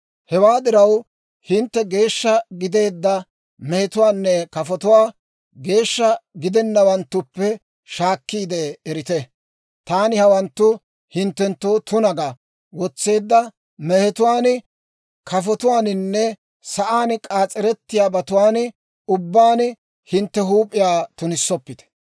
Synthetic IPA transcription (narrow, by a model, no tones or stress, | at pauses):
hɛwaːd̪ɪɾɐw | hɪnt̪ːɛɡe̞ːʃːɐɡɪd̪e̞ːd̪ːɐ | mɛhɛt̪ʊwaːnːɛkɐfɔt̪ʊwaː | ɡe̞ːʃːɐɡɪd̪ɛnːɐwɐnt̪ːʊpːɛ | ʃaːkːiːd̪eːɾɪt̪ɛ | t̪aːnɪhɐwɐnt̪ːʊ | hɪnt̪ːɛnt̪ːo̞ːt̪ʊnɐɡɐ | wɔt͡sːe̞ːd̪ːɐ | mɛhɛt̪ʊwaːn | kʰɐfɔt̪ʊwaːnɪnːɛ | sɐʔaːnkʼaːt͡sʼːɛɾɛt̪ːɪjaːbɐt̪ʊwaːn | ʊbːaːn | hɪnt̪ːɛɦuːpʼːɪjaːt̪ʊnɪsːɔpːɪt̪ɛ̥